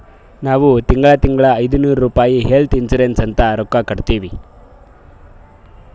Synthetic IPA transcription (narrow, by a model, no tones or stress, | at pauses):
naːʋut̪iŋɡɐɭɐt̪iŋɡɐɭɐːjd̪unuːɾɐɾuːpaːjiɦe̞lt̪insuɾensɐnt̪ɐɾɔkːakɐɽt̪iːʋi